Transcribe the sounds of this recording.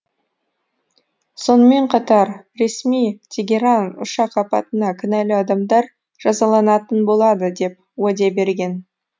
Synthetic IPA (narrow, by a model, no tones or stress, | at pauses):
so̞nəme̞ɴqʰɑt̪ɑɾɾe̞smijt̪ʲʰeɡʲe̞ɾɑnʊ̰ʃɑqɑpɑt̪ənɑkʲʰʏnælɪɑd̪ɑmd̪ɑɾ | ʒ̥ɑzɑlˠɑnɑt̪ənbo̞lˠɑd̪əd̪e̞p̚ | wæd̪e̞be̞ɾɡʲe̞n